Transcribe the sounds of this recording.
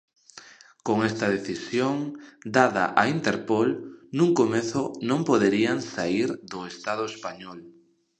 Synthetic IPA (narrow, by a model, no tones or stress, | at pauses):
koŋest̪ɐðeθisjoŋd̪aða̰ʔaint̪eɾpolnũŋkomeθʊnõmpoðeɾiaŋsaiɾðʊest̪að̞ʊespaɲɔl